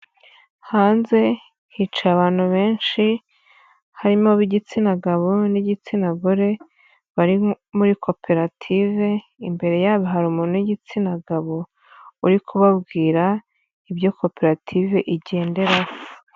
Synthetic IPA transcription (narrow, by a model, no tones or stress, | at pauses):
haːnze̞ | hit͡ʃaaβaːn̥huβe̞ːnʃi | haɾimoβiɟit͡sinaɡaβoniɟit͡sinaɡoɾe̞ | βaɾi | muɾikʰo̞pʰe̞ɾatʰive̞ | imbe̞ɾe̞jaːβiɦaɾumuːnuiɟit͡sinaɡaβo | uɾikʰuβabɡiːɾa | ibjo̞ko̞pe̞ɾatʰive̞ʔiɟe̞ːnde̞ɾao